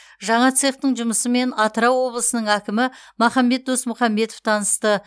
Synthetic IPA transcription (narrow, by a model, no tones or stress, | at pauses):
ʒɑɴɑt̪seqt̪əɴʒʊməsəme̞nɑt̪əɾɑwwo̞blˠəsənəɴækʲɪmɪmɑχɑmbe̞t̪̚d̪o̞smʊχɑmːe̞t̪oft̪ʰɑnəst̪ə